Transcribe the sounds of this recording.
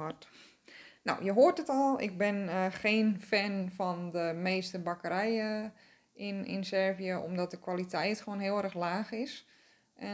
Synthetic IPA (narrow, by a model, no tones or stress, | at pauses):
ɔt | na̰wjəɦoərtdətɔlˠɪ̰k̚bɪnxeːnfɛnfɔndəmeːstəbakəɾɛjə | ɪnɪ̰nsɛrvijəʔo̰mdɔt̚dəkwalitʰɛjtxoːnɦɪəlˠɛrəxlaːxɪs | ʔɛ